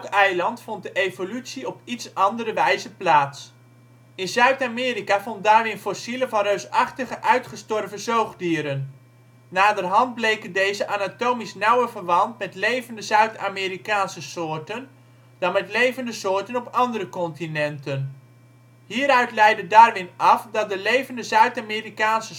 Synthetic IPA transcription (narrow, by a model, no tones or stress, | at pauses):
kɛjlɑntfɔnt̚dəʔejvolytsiɔpitsɑndəɾəʋɛjzəplaːts | ɪnzœɥtaːmɪːɾikavɔnt̚daːɹʋɪnfɔsiləvɑnrøɥsɑχtəχəʔœɥtχəstɔrvəzowχdiːɾənː | aːdərɦɑnd̚blejkəndejzəʔanatowmisnɑwərvərʋɑntmɛtlejvəndəzœɥta̰miːɾikaːnsəsʊːɹtən | d̥ɑnmɛtlejvəndəsʊːɹtənɔpɑndərəkɔntinɛntən | ɦiːɾœɥtlɛjdədaːrʋɪnɑfdɑt̚dəlejvəndəzœɥtamiːrikaːnsə